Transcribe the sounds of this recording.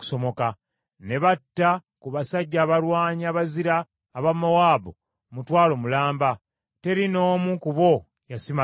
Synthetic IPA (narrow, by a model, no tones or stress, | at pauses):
ku̥so̞mo̞ka | ne̞βatːa | kuβasaɟːaːβaɾwaːɲaβaziɾaː | βamawaːbo | mutwaːlo̞mulaːmba | te̞ɾino̞ːmukuβo̞ | jasima